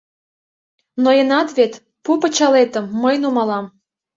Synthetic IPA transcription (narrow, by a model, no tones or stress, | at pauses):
nojenɑt̪βet̪ | pupət͡ɕɑlet̪əmːəjnumɑlɑm